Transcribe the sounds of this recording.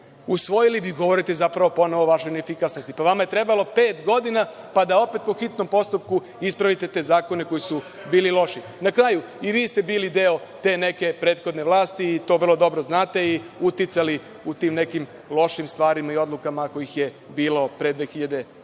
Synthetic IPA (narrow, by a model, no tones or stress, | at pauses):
usʋo̞jiliʋiɡo̞ʋo̞ɾit̪e̞zapɾaʋo̞po̞noʋoʋaʃojnefikasnost̪i̥paʋamaje̞t̪ɾe̞balo̞pe̞ːt̪ɡo̞d̪ina | pad̪ao̞pe̞t̪̚po̞xit̪no̞mpo̞st̪upku | ispɾaʋit̪e̞t̪e̞zaːko̞ne̞ko̞jisu | biːlilo̞ʃi | nakɾaːju | iʋiːst̪e̞biːlid̪e̞o̞t̪e̞ːne̞ke̞pɾe̞ːt̪xo̞d̪ne̞ʋlˠaːst̪iːt̪o̞ʋr̩lo̞d̪o̞bɾo̞znaːt̪e̞iut̪it̪sali | ut̪iːmne̞kim | lo̞ʃimst̪ʋaːɾimaio̞d̪lˠukamako̞jixje | biːlo̞pɾe̞d̪ʋe̞ːxiʎad̪e̞